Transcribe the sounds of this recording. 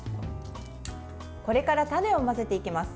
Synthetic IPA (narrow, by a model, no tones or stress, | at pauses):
ko̞ɾe̞kaɾat̪ane̞o̞mase̞t̪e̞ikʲimasɨ̥